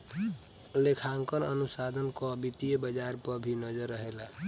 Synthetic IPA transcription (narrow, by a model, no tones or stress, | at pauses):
lekʰaŋkənənusad̪ʱənkɔbit̪ijəbəd͡ʒaɾpəbʱinəd͡ʒəɾːəɦela